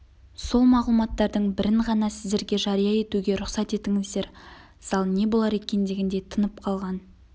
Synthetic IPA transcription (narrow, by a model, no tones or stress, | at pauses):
so̞lˠmɑʁlˠumɑt̪ːɑɾd̪əɴbɪɾɪɴʁɑnɑsɪzd̪e̞ɾɡʲe̞ʒɑɾijɑe̞t̪uɡʲe̞ɾʊχsɑt̪e̞t̪ɪŋɪzd̪e̞ɾ | sɑlˠne̞bo̞lˠɑɾe̞kʲe̞nd̪eɡʲɪnd̪e̞t̪ʰənəp̚qʰɑlˠʁɑn